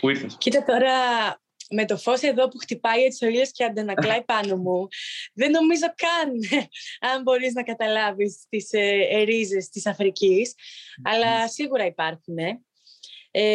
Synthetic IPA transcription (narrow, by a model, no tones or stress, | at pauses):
puiɾθescit̪ɐt̪o̞ɾɐ | me̞t̪o̞fo̞se̞ðo̞puxt̪ipɐjet̪i̥so̞ilesceɐnd̪enɐklɐipɐno̞muðe̞no̞mizo̞kɐn | ɐmbo̞ɾiznɐkɐt̪ɐlɐvist̪isːɾize̞st̪isɐfɾicisɐlɐsiɣuɾɐipɐɾxune̞ | e